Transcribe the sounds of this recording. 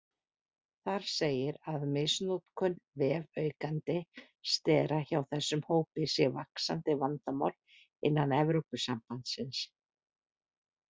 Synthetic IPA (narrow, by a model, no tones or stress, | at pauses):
θaɾ̥seːjɪɾaðmɪsnut̪kʰœnvɛːvœɥkant̪ɪ | st̪ɛːɾaçawθɛsːʏmhoːwpɪsjɛvaksa̰nt̪ɪvant̪ama̰wl | ɪnːanɛvɾowpʏsampant̪sɪns